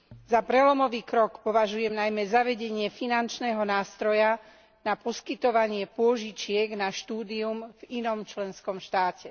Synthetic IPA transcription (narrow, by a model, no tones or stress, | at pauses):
zapɾɛlɔmɔʋiːkɾɔkpɔʋaʒujɛmnajmɛzaʋɛɟɛɲɪɛfinant͡ʃnɛːɦɔnaːst̪ɾɔja | napɔskit̪ɔʋaɲɪɛpʊɔʒit͡ʃɪɛɡnaʃt̪uːd̪iumvinɔmt͡ʃlɛnskɔmʃt̪aːcɛ